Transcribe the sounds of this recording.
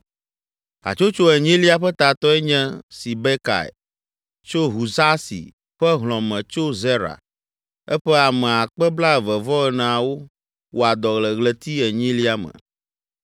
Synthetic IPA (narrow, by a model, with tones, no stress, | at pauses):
a̰˨t͡ʃo˦t͡ʃo˦ɛ˨ɲĩ˦li˦a˦ɸɛ˦t̪a˨t̪ɔ˦ɛ˦ɲɛ̃˦si˨be˦ka̰˨ḛ˨ | t͡ʃo˦ɦu˨za˦sḭ˨ | ɸɛ˦ɦlɔ̃˨mɛ̃˨t͡ʃo˦zɛ˦ɾa̰˨ | ɛ˦ɸɛ˦a˨mɛ̃˨a˨k͡pɛ˦bla˦ɛ˨vɛ˨vɔ˦ɛ˨nã˨a˨wo˦ | wo˨a˨d̪ɔ˨ɣlə˨ɣlɛ˨t̪i˦ɛ˨ɲĩ˦li˦a˦mə̰̃˨